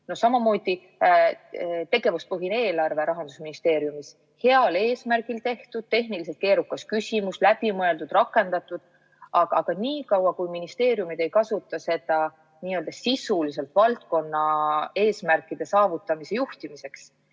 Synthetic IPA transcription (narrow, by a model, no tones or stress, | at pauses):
nosɑmɑmo̞ːd̪̥i | t̪e̞ɡ̥e̞vuspɯɦine̞ːlɑrve̞ɾɑɦɑnd̪̥usminist̪e̞ːɾjumis | he̞ɑle̞ːsmærɡ̥ilt̪e̞ht̪ud̪̥̚t̪e̞ɦnilis̬e̞lt̪ke̞ːɾukːˑɑskysʲimuslæb̥imɤe̞ld̪̥ud̪̥rɑkːˑe̞nd̪̥ɑt̪ːˑud̪̥ | ʔɑɡ̥ɑɡ̥ɑniːkɑwɑkujminist̪e̞ːɾjumid̪̥e̞jkɑsut̪ːˑɑse̞d̪̥ɑ | niːøld̪ɑsisulis̬e̞lt̪vɑlt̪̚ko̞nːɑe̞ːsmærkːˑid̪̥e̞sɑːvut̪ːˑɑmise̞juht̪imise̞ks